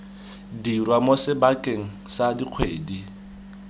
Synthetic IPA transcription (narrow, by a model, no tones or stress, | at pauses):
dirwamosɪbakʼeŋ̩sadiq͡χʰwḛːdi